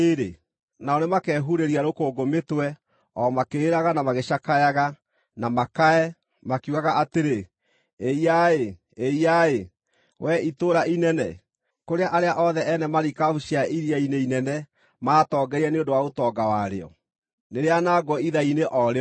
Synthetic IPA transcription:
eɾḛ | naɔnemakɛɦuɾeɾiaɾokoːɡometwɛ | ɔmakeːɾaɣanamaɣeɕakajaɣa | namakaɛ | makuaɣaʔateɾe | eiae | eiae | wʔɛitoɾainɛnɛ̰ | koɾeaʔaɾeaʔɔðɛʔɛnɛmaɾikauɕiaiɾiaineinɛnɛ | maːtɔːɡɛɾiɛneondowaotɔɡawaɾḛɔ̰ | neɾeanaːɡɔiðaineʔɔɾe

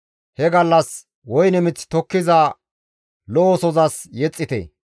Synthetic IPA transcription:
hɛɡɐlːɐs | wɔjnɛmɪt͡sːt̪ɔkːɪzɐ | lɔːsɔzɐsjɛt͡sʼːɪt̪ɛ̰

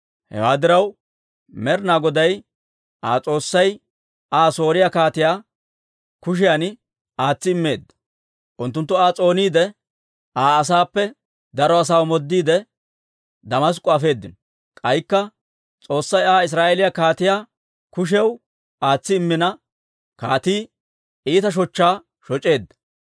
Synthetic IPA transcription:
hɛ̰waːd̪ɪɾɐw | mɛɾnaːɡɔd̪ɐj | ʔaːt͡sʼo̞ːsːɐj | aːso̞ːɾɪjakaːt̪ɪjaː | kʊʃ̬ɪjaːn | aːt͡sːɪɪmːe̞ːd̪ːɐ̥ | ʔʊnt̪ːʊnt̪ːʊaːt͡sʼo̞ːniːd̪ɛ | aːs̬aːpːɛ | d̪ɐɾɔɐs̬aːwmɔd̪ːiːd̪ɛ | d̪ɐmɐs̬kʼʊɐfe̞ːd̪ːɪn | kʼɐjkːɐ | t͡sʼo̞ːsːɐjaːɪs̬ɾaːʔelɪjɐkaːt̪ɪjaː | kʊʃ̬ɛw | aːt͡sːɪɪmːɪnɐ | kaːt̪iː | iːt̪ɐʃ̬ɔt͡ʃːaː | ʃɔt͡ʃʼe̞ːd̪ːɐ̥

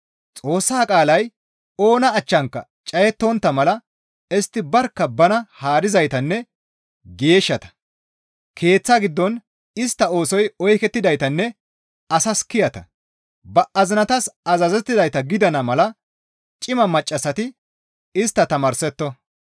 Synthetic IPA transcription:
t͡sʼo̞ːsːaːkʼaːlɐj | o̞ːnɐːt͡ʃːɐŋkːɐ̰ | t͡ʃʼɐjɛt̪ːɔnt̪ːɐmɐlɐ | ɛst̪ːɪbɐɾkːɐbɐnɐhaːd̪ɪzɐjt̪ɐnːɛ | ɡe̞ːʃːɐt̪ɐ̥ | kʰe̞ːt͡sːaɡɪd̪ːɔn | ɪst̪ːɐo̞ːsɔjɔjkɛt̪ːɪd̪ɐjt̪ɐnːɛ | ɐsɐskɪjɐt̪ɐ̰ | bɐʔɐzɪnɐt̪ɐsɐzɐzɛt̪ːɪd̪ɐjt̪ɐɡɪd̪ɐnɐmɐlɐ | t͡ʃʼɪmɐmɐt͡ʃʼːɐsɐt̪ɪ | ɪst̪ːɐt̪ɐmɐɾsɛt̪ːɔ

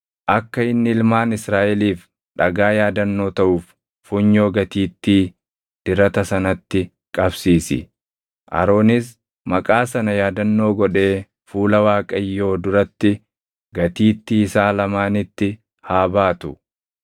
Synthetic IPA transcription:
ʔɐkːɐɪnːɪɪlmaːnɪsɾaːʔɛliːf | ᶑɐɡaːjaːd̪ɐnːo̞ːt̪ɐʔuːf | fːʊɲːo̞ːɡɐt̪iːt̪ːiː | d̪̥ɪɾɐt̪ɐsɐnɐt̪ːɪ | kʼɐbsiːsɪ̰ | ʔɐ̰ɾo̞ːnɪs | mɐkʼaːsɐnɐjaːd̪ɐnːo̞ːɡɔᶑe̞ː | fuːlɐwaːkʼɐjːo̞ːd̪ʊɾɐt̪ːɪ | ɡɐt̪iːt̪ːiːɪsaːlɐmaːnɪt̪ːɪ | haːbaːt̪ʊ

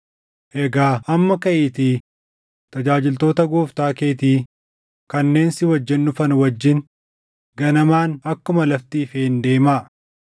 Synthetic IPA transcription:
ʔɛɡaːʔɐmːɐkɐʔɪt̪iː | t̪ɐd͡ʒaːd͡ʒɪlt̪o̞ːt̪ɐɡoːft̪aːke̞ːt̪iː | kɐnːe̞ːnsɪwɐd͡ʒːɛnːʊfɐnwɐd͡ʒːɪn | ɡɐnɐmaːnɐkːʊmɐlɐft̪iːfeːnd̪e̞ːmaː

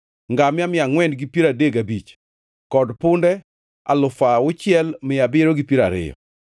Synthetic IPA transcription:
ŋɡamɪamɪaŋwɛndɡipiɾadeɡabit͡ʃ | kɔdpʊndɛ | a̰lʊfaʊt͡ʃɪɛlmɪjabɪɾoɡipjiɾaɾɪ̰jɔ̰

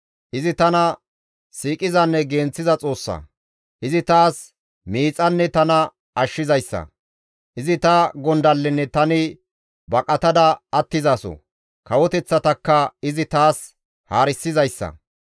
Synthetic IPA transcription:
ʔɪzɪt̪ɐnɐ | siːkʼɪzɐnːɛɡeːnt͡sːɪzɐt͡sʼo̞ːsːɐ̰ | ʔɪzɪt̪aːs | miːt͡sʼɐnːɛt̪ɐnɐ | ʔɐʃːɪzɐjsːɐ̰ | ʔɪzɪt̪ɐɡɔnd̪ɐlːɛnːɛt̪ɐnɪ | bɐkʼɐt̪ɐd̪ɐɐt̪ːɪzɐsɔ̰ | kɐwɔt̪ɛt͡sːɐt̪ɐkːɐɪzɪt̪aːs | haːɾɪsːɪzɐjsːɐ̰

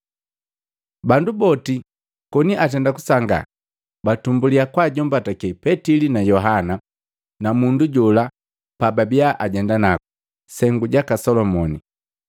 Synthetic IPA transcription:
bandubɔti | kɔniʔat̬ɛndaku̥saŋɡa̰ | batumbuliakwaɟɔm̩batakɛpɛtilinajɔɦana | namunduɟɔla | pababiaʔaɟɛndanaku | sɛŋɡuɟakasɔlɔmɔni

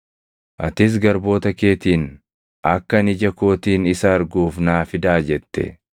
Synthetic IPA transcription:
ʔɐt̪ɪs̬ɡɐɾbo̞ːt̪ɐkeːt̪iːn | ʔɐkːɐnɪd͡ʒɐko̞ːt̪iːnɪsɐːɾɡuːfnaːfɪd̪aːd͡ʒɛt̪ːɛ̰

